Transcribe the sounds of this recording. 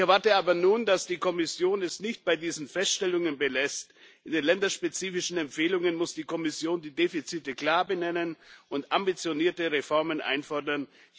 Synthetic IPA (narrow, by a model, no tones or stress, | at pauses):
ɛɐvaɐtəaːbɐnuːndasd̥iːkʰɔmɪsjoːnɛsnɪçt̚b̥aɪdiːzn̩fɛstʃtɛlʊŋənbəlɛst | ʔʔɪndeːnlɛndɐʃpet͡siːfɪʃn̩ɛmpfeːlʊŋənmʊsd̥iːkʰɔmɪsjoːndiːdefit͡sitəkl̥aːbənɛnənʔʊntʔambit͡sjoniːɐtəʁefɔɐmənʔa̰ɪnfɔɐdɐn